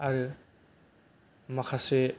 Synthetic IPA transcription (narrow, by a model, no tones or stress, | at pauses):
aɾɯ | makʰase